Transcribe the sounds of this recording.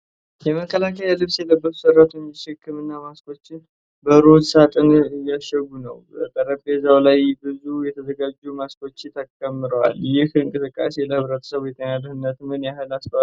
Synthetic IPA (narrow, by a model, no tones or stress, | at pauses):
jɛməkʰːəlakʰəjalɨβsjɛləbːət̪ʰu̥səɾːat̪ʰoɲʃɨkʰːɨmɨnːamaskʰo̞t͡ʃːɪn | bəɾod̪sat̪ʼɨnɨjːaʃɛɡunəwbəkʼəɾəbezawlajbɨzujɛt̪ʰəzəɡad͡ʒːumasko̞t͡ʃːɪt̪ʰakʼːəmːɨɾəwaljɪhɨŋkʼɨsɨkʼːa̰seləhɨβɾət̪ʰə̥səβjɛt̪ʼənaləhɨnːət̪mɨnjaɦɨlasfəa